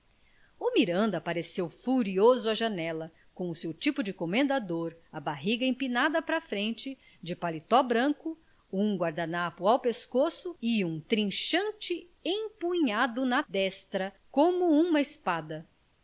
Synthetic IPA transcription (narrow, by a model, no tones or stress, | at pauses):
ʊmiɾɐ̃nd̪ɐpaɾesewfuɾiozʊɐʒɐnɛlɐ | kõʊsewt͡ʃipʊd͡ʒɪkomẽnd̪ad̪oɾɐbaɦiɡɐẽpinad̪ɐpɾɐfɾẽnt͡ʃɪ | d͡ʒɪpalit̪ɔbɾɐ̃kʊ | ũɡwaɾd̪anapʊawpeskosʊɪũt̪ɾĩʃɐ̃nt͡ʃɪ | ẽpuɲad̪ʊnɐd̪ɛst̪ɾɐ | kõmʊũmɐɪspad̪ɐ